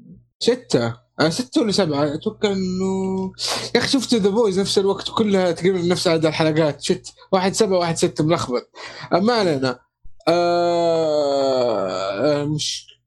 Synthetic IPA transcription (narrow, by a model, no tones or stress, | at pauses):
sɪt̪ːa | ʔasɪt̪ːaalːasabʕaʔat̪wakːaʕʔɪnːʊ | jaxiʃʊft̪ðaboːjznafsɪlwaɡt̪wkʊlːhat̪ɡamɪmnafsʕad̪alħalaɡaːt̪ʃɪt̪ːwaːħɪd̪sabʕawaːħɪd̪sɪt̪ːamɪlʔaxbɑt̪̚ˤʔamaʕlana | ʔa | mɪʃ